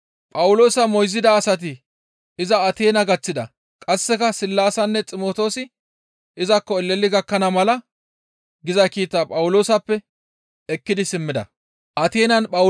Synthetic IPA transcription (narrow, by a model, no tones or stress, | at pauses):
pʼɐwʊlo̞ːsɐmɔjzɪd̪ɐːsɐt̪̬ɪ | ɪzɐːt̪e̞ːnɐɡɐt͡sːɪd̪ɐ | kʼɐsːɛkɐsɪlːaːsɐnːɛt͡sʼɪmoːt̪o̞ːsɪ | ɪzɐkːɔɛlːɛlːɪɡɐkːɐnɐmɐlɐ | ɡɪzɐkiːt̪ːaːpʼɐwʊlo̞ːsɐpːɛ | ɛkːɪd̪ɪsɪmːɪd̪ɐ̰ | ʔɐt̪e̞ːnɐnpʼɐ